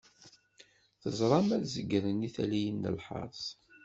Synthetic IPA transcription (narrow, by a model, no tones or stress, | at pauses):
θəzˤɾˤɑmæθzəɡɾəniθælijənːə̰lħɑ̰ɾˤsˤ